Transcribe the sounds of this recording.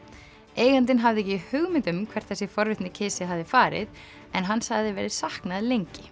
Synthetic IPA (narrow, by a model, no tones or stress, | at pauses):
eːjɣant̪̬ɪnɦavðɪɛcɪihʏɣmɪt̪ʏmkʰv̥ɛr̥t̪θɛsɪfɔɾvɪht̪nɪcʰɪːsɪɦavðɪfaːɾɪ̰ð | ɛnɦanːsaɣðɪvɛːɾɪsahknaðlejɲcɪ